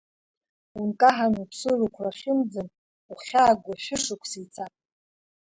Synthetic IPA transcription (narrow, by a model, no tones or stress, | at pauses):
unkʼaħanupʰsɨrukʷʰraχʲɪmd͡zɨn | uχʲaːɡʷaʃʷᶣʊʂɨkʷʰsijt͡sʰatʼ